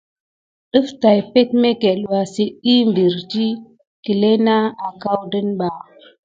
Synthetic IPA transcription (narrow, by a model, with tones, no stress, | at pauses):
ɗə˦fta˨jpe˦tme˦ke˨lwa˨si˦i˦mbi˨ɾd͡ʒi˦ | ki˨le˦na˦a˨ka˦wdə˦nɓa˨